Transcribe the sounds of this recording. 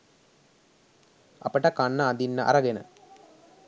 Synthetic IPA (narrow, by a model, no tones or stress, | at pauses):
ɐ̰pəʈəkanːəːd̪inːəʔɐ̰ɾɐɡenə̰